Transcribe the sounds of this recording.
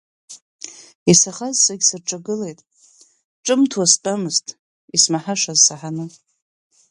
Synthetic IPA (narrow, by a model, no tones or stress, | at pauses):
isaχazsaɡʲsɨrʈ͡ʂʼaɡɨle̞jtʼ | ʈ͡ʂʼɨmtʰwastʼamɨztʼ | ismaħaʂazsaħanɨ